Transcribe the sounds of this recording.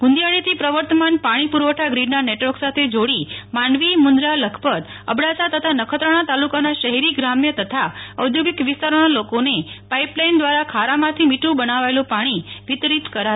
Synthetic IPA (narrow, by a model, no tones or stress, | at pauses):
ɡ̥ʊ̃nd̪ijaɭit̪ʰipɾəʋəɾt̪əmanpaɽ̃ipuɾʋəʈʰaɡɾiɖnaneʈʋəɾksat̪ʰed͡ʒoɽimaɳɖʋimʊnd̪ɾaləkʰpəd̪ | ə̰bɽat͡ʃat̪ət̪ʰanəkʰət̪ɾəɽ̃at̪alukanaʃəɦɛɾiɡɾamjət̪ət̪ʰaəwd̪ʱjoɡikʋɪst̪aɾonalokonepaiplaind̪ʋaɾakʰaɾamãt̪ʰimiʈʰũbənaʋaelũpaɽ̃iʋit̪ɾit̪kəɾaɦ